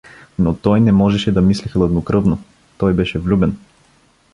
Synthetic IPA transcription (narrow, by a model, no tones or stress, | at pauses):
nɔt̪ɔjnɛmɔʒɛʃɛd̪amislixlˠɐd̪nokɾɤvnɔ | t̪ɔjbɛʃɛvlʲubɛn